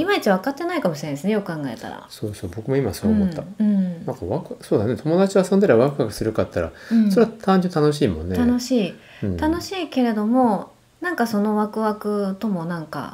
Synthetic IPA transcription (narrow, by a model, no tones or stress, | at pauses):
imait͡ɕiβ̞akat̪ːe̞naikamo̞ɕiɾenesɨnejo̞kɯ̟kãŋɡae̞̰t̪a̰ɾa̰so̞ːso̞ːbo̞kɯ̟moima̰soːmot̪ːaɯ̃ɴnãŋkaβakɯso̞ːd̪ane̞t̪ʰo̞mo̞d̪at͡ɕioasõnd̪eɾeaβakɯ̟βakɯ̟̥sɨɾɯ̟kat̪ːaɾã̰so̞ɾe̞at̪ʰãɲ̟d͡ʑɨ̃nt̪ano̞ɕiːmõ̞nːeano̞ɕiː | ɯ̟̃ɴt̪ano̞ɕiːke̞ɾe̞d̪o̞mo̞ | nãŋkaso̞no̞βakɯ̟βakɯ̟t̪o̞mo̞nãŋka̰